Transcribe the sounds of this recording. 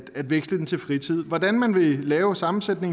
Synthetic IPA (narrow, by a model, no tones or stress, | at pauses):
æd̥ʋeɡ̥sləd̥ent͡sʰe̝lfʁit͡sʰið̰ˠʋɒd̥ænmænʋe̝lɛːʊsɑ̈mn̩sed̥ne̝ŋ